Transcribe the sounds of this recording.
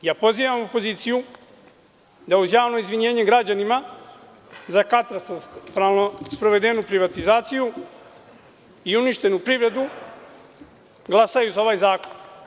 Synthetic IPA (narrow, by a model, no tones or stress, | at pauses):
jaːpo̞ziːʋamopo̞ziːt̪siju | d̪auzjaːʋno̞izʋiɲe̞ːɲeɡɾad͡ʑanima | zakat̪ɾast̪t̪ɾalˠnospɾo̞ʋe̞d̪e̞nupɾiʋat̪izaːt̪siju | iuniʃt̪e̞nupɾiʋɾe̞d̪u | ɡlˠasajuzao̞ʋaːjzaːko̞n